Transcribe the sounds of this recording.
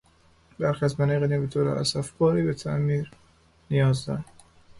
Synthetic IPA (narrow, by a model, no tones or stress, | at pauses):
bæɾxiæzmæniɣeniːbet̪ʰoɾæ̰ɾʔæ̰sæfkɒːɾiːbet̪ʰæʔmiːɾ | nijɒːzd̪ɒ̰ɾ